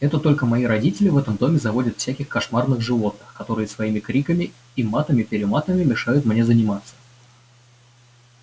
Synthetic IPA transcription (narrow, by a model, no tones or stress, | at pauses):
ɛt̪ət̪o̞lʲkəmɐiɾɐdʲitʲɪlʲɪvɛt̪əmd̪o̞mʲɪzɐvo̞dʲət̪fsʲækʲɪxkɐʂmarnɨɣʐɨvo̞t̪̚nɨxkɐt̪o̞ɾɨjəsvɐimʲɪkɾʲikəmʲɪ | imat̪əmʲɪpʲɪɾʲɪmat̪əmʲɪmʲɪʂajʊt̪mnʲe̞zənʲɪmat̪sːə̥